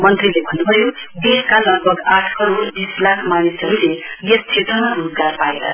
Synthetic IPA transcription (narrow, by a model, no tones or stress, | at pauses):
mʌnt̪rilebʱʌnːubʱʌjod̪eskalʌɡ̚bʱʌɡaʈʰkʌɾodislakʰmanisʌɾulejʌst͡ʃʰet̪ʌmaruzɡarpaeɾʌ̰